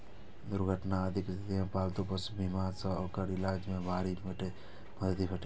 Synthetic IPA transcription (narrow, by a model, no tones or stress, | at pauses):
d̪uɾɡʱəʈnaəd̪ʱiksət̪imẽpalt̪upəsbʱimasə̃okəɾilad͡ʒmebʱaɾiməʈe | bʱəd̪t̪ipʰəʈe